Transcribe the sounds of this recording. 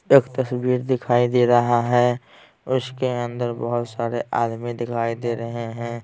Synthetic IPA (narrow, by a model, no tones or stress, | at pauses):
eːkt̪ɐsbiːɾd̪ɪkʰaːid̪eːɾɐɦaɦɛ | ʊskeə̃nd̪əɾbəɦʊt̪saːɾeʔaːd̪mid̪ɪkʰaːid̪eɾɐɦeɦɛ̃ː